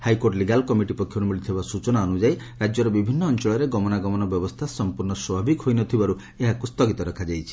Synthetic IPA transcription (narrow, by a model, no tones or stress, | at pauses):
hajkoɾʈliɡalkɔmiʈipɔkʰjɔɾumiɭit̪ʰibasut͡ʃɔnaɔnud͡ʒaj | ɾad͡ʒjɔɾɔbibʱinːɔːnt͡ʃɔɭɔjɾeɡɔmɔnaɡɔmɔnɔbjɔbɔst̪ʰasɔmpuɾnɔswɔbʱabikɦojnɔt̪ʰibaɾu | eɦakust̪ɔɡit̪ɔɾɔkʰad͡ʒajt͡ʃʰi̥